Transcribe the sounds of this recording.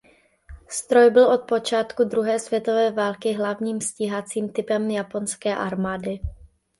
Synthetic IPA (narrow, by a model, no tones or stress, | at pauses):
st̪ɾo̞jbɪlʔo̞t̪̚po̞t͡ʃaːt̪kud̪ɾuɦɛːsvjɛt̪o̞vɛːvaːlkɪɦlavɲiːmsciɦat͡siːmt̪ɪpɛmjapo̞nskɛːʔaɾmaːdɪ